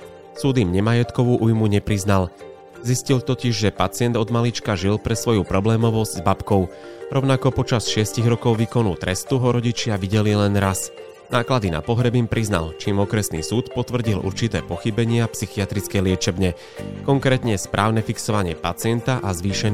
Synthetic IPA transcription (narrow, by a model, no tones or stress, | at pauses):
sud̪iːmɲɛmajɛt̪kɔʋuʔujmuɲɛpɾiznal | ziscilt̪ɔciʒʒɛpat͡sɪɛnd̪ɔd̪malit͡ʃkaʒilpɾɛsʋɔjupɾɔblɛːmɔʋɔzɟzbapkɔʊɾɔʊnakɔpɔt͡ʃasʃɪɛsciɣɾɔkɔʊʋikɔnult̪ɾɛst̪uɦɔɾɔɟit͡ʃɪaʋiɟɛlilɛnɾas | naːklad̪ina̰pɔɦɾɛbiːmpɾʔizna̰lt͡ʃiːmɔkɾɛsnḭːsuːt̪pɔt̪ʋr̩ɟilʔṵɾt͡ʃit̪ɛ̰ːpɔxibɛɲɪɛapsixiat̪ɾit͡skɛjlɪɛt͡ʃɛbɲɛ | kɔŋkɾɛːt̪ɲɛspɾʔaːʊnɛfiksɔʋaɲɪɛpat͡sɪɛnt̪aʔazʋiːʃɛn